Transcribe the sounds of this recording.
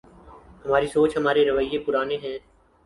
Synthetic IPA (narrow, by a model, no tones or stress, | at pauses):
hɐmaːɾisoːt͡ʃɦəmaːɾeɾəʋəijːepʊɾaːneɦɛ̃ː